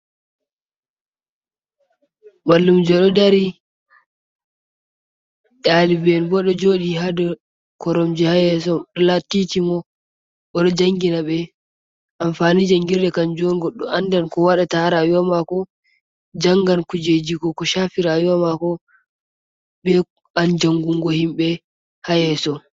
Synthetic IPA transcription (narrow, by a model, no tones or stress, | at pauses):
malːumd͡ʒɔɗɔdaɾi | ɗalibɛnbɔɗɔd͡ʒoɗihadɔ | kɔɾɔmd͡ʒɛhajɛs̬ɔɗɔlatːitimɔ | ɓɔɗɔd͡ʒaŋɡinaɓɛ | ʔamfanid͡ʒaŋɡiɾɗɛkand͡ʒɔnɡɔɗːɔandankɔwaɗataɾajamakɔ | d͡ʒaŋɡankud͡ʒed͡ʒiɡɔkɔʃafiɾajamakɔ | ɓɛ | and͡ʒaŋɡuŋɡɔhimɓɛ | hajɛsɔ